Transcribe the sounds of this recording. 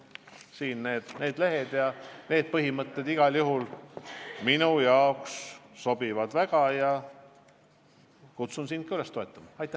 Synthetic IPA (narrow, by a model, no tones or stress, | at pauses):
siːnne̞ːd̪̥ne̞ːd̪̥le̞ɦed̪̥jɑne̞ːd̪̥̚pɤɦimɤt̪ːe̞d̪iɡ̥ɑljuɦul | minujɑoksːo̞b̥ivɑd̪̥væɡ̥ɑjɑ | kut̪sunsin̥̚kːɑyle̞st̪oe̞t̪ːˑɑmɑɑjt̪ˑːæ